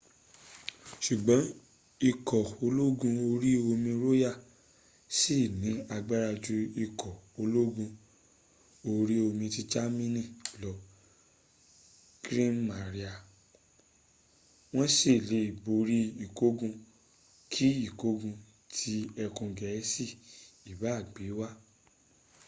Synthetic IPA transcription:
ʃu˨ɡ͡bɔ̃˨˦ | i˧kɔ˨o˧lo˦ɡũ˧o˧ɾi˦o˧mĩ˧ɾo˦ja˦˨ | si˦˨nĩ˨˦a˧ɡ͡ba˦ɾa˧d͡ʒu˧i˧kʰɔ˨o˧lo˦ɡũ˧ | o˧ɾi˦o˧mĩ˧ti˧d͡ʒa˦mĩ˦nĩ˦˨lɔ˨˦ | ɡɾĩ˦mma˨ɾi˦a˨ | w̃ɔ̃˦ʃe˦˨le˨˦i˨bo˧ɾi˦i˦˨ko˦ɡũ˧ | kʰi˦i˦˨ko˦ɡũ˧ | tʰi˦ɛ˧kũ˧ɡɛ˨˦si˦˨i˨ba˨˦˨ɡ͡be˨˦wa˦

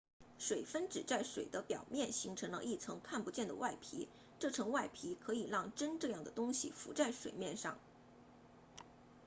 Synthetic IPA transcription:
ʂwe˨˩ɪfə˥nʈ͡ʂɻ̩˨˩t͡sa˥˩ɪʂwe˨˩ɪd̪ə˦pjɑ̰˨˩ʊmjɛ˥˩nɕi˧˥ŋʈ͡ʂʰɤ˧˥ŋlə̰˧ʔi˥˩t͡sʰɤ˧˥ŋkʰa˥˩npu˧˥t͡ɕjɛ˥˩nd̪ə̰˩wa˥˩ɪpʰḭ˧˥ | ʈ͡ʂɤ˥˩ʈ͡ʂʰɤ˧˥ŋwa˥˩ɪpʰi˧˥kʰɤ˧˥i˨˩lɑ˥˩ŋʈ͡ʂə˥nʈ͡ʂɤ˥˧jɑ˥˩ŋd̪ə˩t̪ʊ˥ŋɕḭ˨fṵ˧˥t͡sa˥˩ɪʂwḛ˨˩ɪmjɛ˥˧nʂɑ̰˥˩ŋ

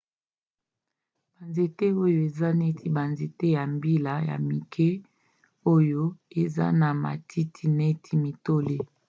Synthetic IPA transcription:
b̥a˨nze˨te˦o˦jo˦e˨za˦ne˦tʰi˦ba˨nze˨te˦ja˨mbi˦la˨ja̰˨mi˨kʰɛ˦ | o˦jo˦e˨za̰˦na˨ma̰˨tʰi˦tʰi˦ne˦tʰi˦mi˨to˦le˦

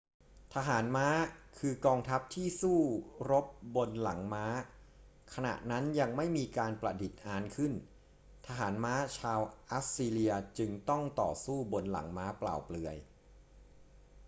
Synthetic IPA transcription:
t̪ʰa˧ɦaː˩˦nmaː˦˥kʰɯː˧kɔː˧ŋt̪ʰa˦˥p̚t̪ʰiː˥˩suː˥˩ɾo˦˥p̚bo˧nla˩˦ŋmaː˦˥ | kʰa˧na̰˨˩ʔna˦˥nja˧ŋma˥˩jmiː˧kaː˧npɾa˨˩di˨˩t̪̚ʔaː˧nkʰɯ˥˩n | t̪ʰa˧ɦaː˩˦nmaː˦˥t͡ɕʰaː˧wʔa˦˥siː˧li˧ɐt͡ɕɯ˧ŋt̪ɔ˥˩ŋt̪ɔ̰ː˨˩suː˥˩bo˧nla̰˩˦ŋmaː˦˥pla̰ː˨˩wplɯ˧ɐj

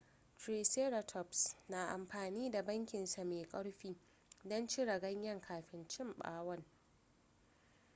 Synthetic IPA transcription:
tɾeː˨seː˦ɾa˨tʰɔ˨psna˨ʔa̰˨mɸaː˨niː˦da˨bɐ˦ŋkʲɪ˨nsa˨meː˨kʼɐ˦ɽɸiː˦ | dɔ˦nt͡ʃi˦ɽɐ˨ɡɐ˦ɲjɐ˦˨ŋkʰaː˨ɸɪ˦nt͡ʃɪ˦˨mɓa̰ː˦wɐ˦n

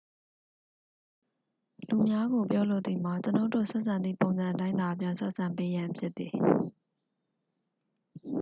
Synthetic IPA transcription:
lu˨mja˦ɡo˨pjɔ˦lo˦˨ʔt̪ði˨ma˨t͡ɕəno˦ʊtdo̰˦˨sɛ˦ʔsʰã˨nd̪ðḭ˦˨põ˨ʊ̃nzã˨tã˦ɪ̃nd̪a˨pjã˦sʰɛ˦ʔsʰã˨mpe˦jã˨pʰjɪ˦t̪ːi˨

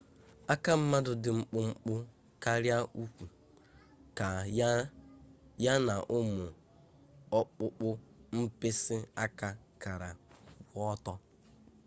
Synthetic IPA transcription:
a˦ka˦m̩˦ma˦dʊ˨dɪ˨ŋ͡m̩˦k͡pʊ˦ŋ͡m̩˦k͡pʊ˦ | ka˦ɾja˦ʔu˦kʷu˨ | ka˨ | ja˦na˨ʔʊ˦mʊ˨ | ɔ˦k͡pʊ˦k͡pʊ˦m̩˦pɪ˦sɪ˦a˦ka˦ | ka˨ɾa˨˦ | ɔ˦tɔ˦

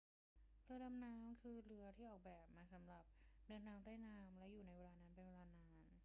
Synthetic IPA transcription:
ɾɯ˧˥ɐda˧mnaː˦˥mkʰɯː˧ɾɯ˦˥ɐt̪ʰiː˥˩ʔɔː˨˩k̚bɛː˨˩p̚maː˧sa˩˦mɾa˨˩p̚dɤː˧nːʰaː˦˥mt̪aː˥˩jnaː˧˥mlɛ˦˥juː˨˩na˧jweː˧laː˧naː˦˥npe˧nweː˧laː˧naː˦˥m

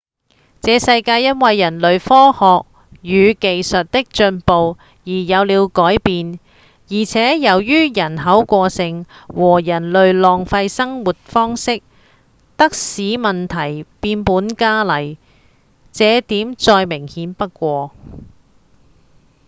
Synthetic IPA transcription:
t͡sɛː˨˧sɐ˧jkaː˧jːɐ˥nwɐ˨jːɐ˨˩nlɵ˨ɥfɔː˥hɔː˨k̚ | jyː˨˧ke˨jsɐ˨t̚t̪ɪ˥k̚t͡ʃɵ˧npo˨w | jiː˨˩jɐ˨˧wliː˨˧wkɔː˨˥jpiː˧n | jiː˨˩t͡sʰɛː˨˥jɐ˨˩wjyː˥jɐ˨˩nɦɐ˨˥wkʷɔː˧sɪ˧ŋwɔː˨˩jɐ˨˩nlɵ˨ɥlɔː˨˩ŋfɐ˧jsɐ˥ŋwuː˨t̚fɔː˥ŋsɪ˥k̚ | t̪ɐ˥k̚siː˨˥mɐ˨nt̪ʰɐ˨˩jpiː˧npuː˨˥nkaː˥lɐ˨˩j | t͡sɛː˨˧t̪iː˨˥mt͡sɔː˧jmɪ˨˩ŋhiː˨˥npɐ˥t̚kʷɔː˧

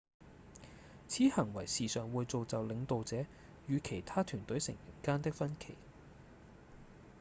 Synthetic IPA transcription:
t͡sʰiː˨˥hɐ˨˩ŋwɐ˨˩jsiː˨sœː˨ŋwuː˨jt͡so˨wt͡sɐ˨wlɪ˨˧ŋt̪o˨wt͡sɛː˨˥ | jyː˨˧kʰe˨˩jt̪ʰaː˥t̪ʰyː˨˩nt̪ɵ˨˥jsɪ̰˨˩ŋjɐ˨˩nkaː˥nt̪ɪ˥k̚fɐ˥nkʰe˨˩j

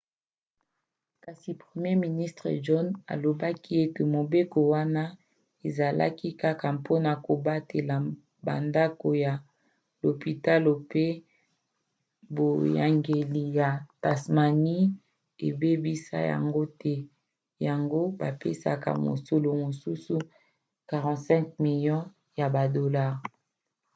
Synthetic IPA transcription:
ka˨si˨pχe˨mje˦mi˨ni˦stʁe˨d͡ʒɔ˦na̰˨lo˨ba˦ki˦e˦ke˨mo˨be˦ko˨wa˦na˦ | e˨za˨lʔa̰˦ki˦ka˦ka˨mpʰo˦na˨ko˨ba˦te˨la˨ | ba̰˨nda˦ko˨ja˨ | lo˨pi˨ta˦lo˨pe˦ | bo˨ja̰˨ŋɡe˨li˨ja˨ta˨sma˨ni˦ | e˨be˦bi˦sa̰˦ja̰˨ŋɡo˦tɛ˦ | ja˨ŋɡo˦ba˨pe˦sa̰˨ka̰˨mo̰˨so˨lo˨mo˨su˦su˦ | ka˨ʁɑ̃˨tsɛ̃˦ŋkmi˨ljɔ̃˦ | ja˨ba˨do˨la˦˨ʁ

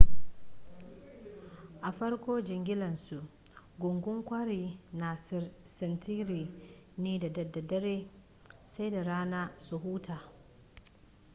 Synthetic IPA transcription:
ʔa˨ɸɐ˦ɽkʷoː˦d͡ʒɪ˨ŋɡʲɪ˦lɐ˨nsu˨ʔ | ɡʷʊ˨ŋɡʷʊ˦ŋkʷa˦ɾiː˨na˨ssɪ˨ntʰiː˦ɾiː˨neː˦da˨dɐ˨dɐ˨dɐ˦ɾeː˦ | sa˦jda˨ɾaː˦naː˦su˨ɦuː˦tʰaː˨

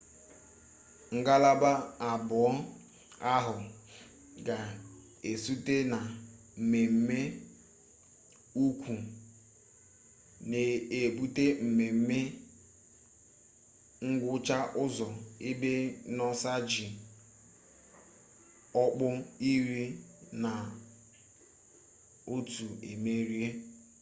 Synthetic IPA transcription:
ŋ̩˨ɡa˦la˦ba˦a˨bʊ˨ɔ˦ | a˦ɦʊ˨ | ɡa˨ | e˨su˦te˦na˨ | m̩˨me˨m̩˦me˦ | u˦kʷu˨ | ne˨e˨bu˦te˦m̩˨me˨m̩˦me˦ | ŋ̩˦ɡʷʊ˦t͡ʃa˦ʔʊ˦zɔ˨e˦be˦nɔ˦sa˦d͡ʒi˨ | ɔ˦k͡pʊ˦i˦ɾi˦na˨ | o˦tu˨ḛ˨me˦ɾi˦e˦

